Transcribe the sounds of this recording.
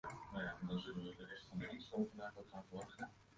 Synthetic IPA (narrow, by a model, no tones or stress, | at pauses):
nawjaɛndɑnzɵlənʋədərɛstfɑnɪŋstowvəmaːkəɔtχaːnfəʋɑχə